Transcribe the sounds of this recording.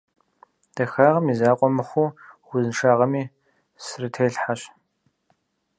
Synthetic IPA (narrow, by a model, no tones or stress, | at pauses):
d̥ɐxaːʁɐmizaːqʷʼɔmɨχʷuːʁʷʊzɨnʃaːʁɐmiː | srɨtʰeːɬħaɕ